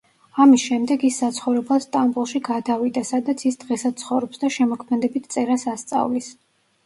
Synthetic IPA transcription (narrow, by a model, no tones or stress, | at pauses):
amisʃɛmd̪ɛɡisːat̪sʰχɔvɾɛblˠast̪ʼambulˠʃiɡad̪avid̪asad̪at̪sʰisd̪̥ʁɛsad̪̚sʰχɔvɾɔpsd̪aʃɛmɔkʰmɛd̪ɛbit̪ʰt̪sʼɛɾasast̪sʼa̰vlis